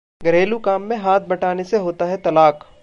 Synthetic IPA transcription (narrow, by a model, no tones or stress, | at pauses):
ɡɐɾeːlukaːmːẽɦaːt̪̚ʰbɐʈaːneseɦoːt̪aɦɛt̪ɐlaːk